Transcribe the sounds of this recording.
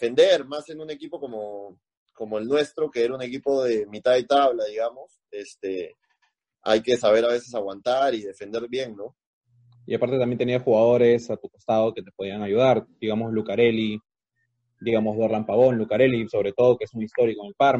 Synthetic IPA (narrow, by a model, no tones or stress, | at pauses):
efe̞nd̪e̞ɾmase̞nune̞kipo̞komo | ko̞mo̞elnwe̞st̪ɾo̞ke̞eɾaune̞kipo̞ðe̞mit̪aðet̪aβlaðiɣamo̞s | est̪e | a̰jke̞saβe̞ɾaβe̞se̞saɣwant̪aɾiðe̞fe̞nd̪e̞ɾβje̞ŋno̞ | iapaɾt̪e̞t̪amje̞nt̪eniaxuɣað̞o̞ɾe̞sat̪ukost̪að̞o̞ke̞t̪e̞po̞ð̞iaŋajuð̞aɾd̪̥iɣamo̞slukaɾe̞li | d̪iɣamo̞zðoɾlampaβo̞nlukaɾe̞liso̞βɾe̞t̪o̞ð̞o̞keezmujist̪o̞ɾikoeŋelpaɾ